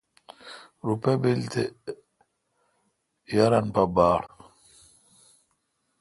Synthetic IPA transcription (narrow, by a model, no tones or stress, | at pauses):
ɾupɛbelt̪ɛ | jaɾanpabaːɽ